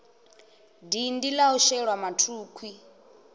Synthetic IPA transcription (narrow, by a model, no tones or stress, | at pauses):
dindilauʃɛɺwamatʰuːkʰwi